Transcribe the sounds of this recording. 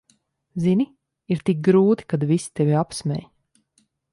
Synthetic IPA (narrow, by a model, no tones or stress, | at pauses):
zini | iɾt̪ik̚ɡɾuːt̪i̥kad̪visi̥t̪evʲiapsmʲɛ̰j